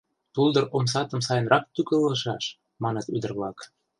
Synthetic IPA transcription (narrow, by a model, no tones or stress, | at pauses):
t̪uld̪ərʔoms̬ɑt̪əmsɑjənrʔɑk̚t̪ykələʃɑʃ | mɑnət̪y̰d̪ərβlɑk